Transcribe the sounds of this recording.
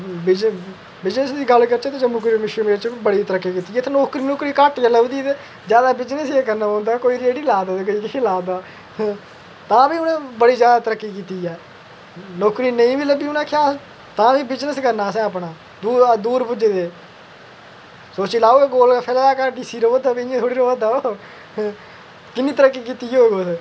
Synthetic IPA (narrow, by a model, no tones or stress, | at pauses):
bɪd͡ʒ | bɪd͡ʒnəsd̪iːɡəlkəɾt͡ʃeːt̪eːd͡ʒemʊkɾimɪʃɾiːmeːɾt͡ʃibəɽiːt̪əɾəkːiːkiːt̪iːeːt̪ʰeːnoːkɾiːnoːkɾiːkəʈɡələbd̪iːt̪e | zjaːd̪aːbɪd͡ʒnəseːkəɾnaːõːnd̪aːkoːiːɾeːɽiːlaːd̪aːekoiːkːlaːd̪aː | t̪ãːbiːʊnẽːbəɽiːzjaːd̪aːt̪əɾəkːiːkiːt̪iːɛː | noːkɾiːnəĩːbiːləbiːʊnãːkʰɪjaːs | t̪ãːʋiːbɪd͡ʒnəskəɾnaːsɛ̃ːəpɳaː | d̪uːd̪uːɾbʊd͡ʒeːd̪eː | soːt͡ʃiːlaːoːeːɡoːlapʰɛːlaːlaːkaɖiːsiːɾoːʋəd̪aːbiẽt̪ʰoːɽiːɾoːʋəd̪aːo | kɪnːĩːt̪əɾəkːiːkiːt̪iːjoːɡoːs